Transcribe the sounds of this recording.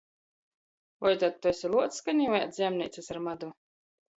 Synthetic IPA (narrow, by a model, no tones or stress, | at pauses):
vɔjt̪at̪̚t̪ːɔsʲilˠuɔt̪skanʲiɔja̰t̪zʲiɛmnʲiːt̪sɨsaɾmad̪u